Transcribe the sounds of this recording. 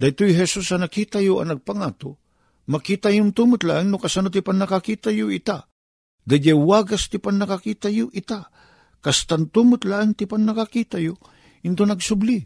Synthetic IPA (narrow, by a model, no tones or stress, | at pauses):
d̪ajt̪ojɦɛsusanakiːt̪ajoɐ̰nɐɡ̚paŋat̪o | makiːt̪ajʊnt̪umʊt̪la̰ʔɪŋnʊkasanot̪ɪpanːakakiːt̪ajʊʔɪt̪a | d̪ad͡ʒawaːɡast̪ɪpannakakiːt̪ajʊʔɪt̪a | kast̪ant̪umɨt̪laʔɪŋt̪ɪpannɐkakiːt̪ajo | ɪnt̪onɐɡsʊbli